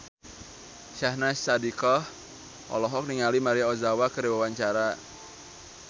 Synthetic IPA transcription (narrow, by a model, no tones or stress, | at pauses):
ʃahnassadikɔh | ʔɔ̰lɔɦɔk̚niŋalimaɾiaɔzawakəɾiwawaɲt͡ʃaɾa